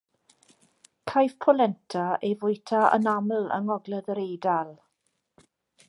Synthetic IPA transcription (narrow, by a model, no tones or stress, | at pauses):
kʰajvpʰɔlɛntʰaevʊjtʰaə̰namlˠə̰ŋɔɡləðəɾejdalˠ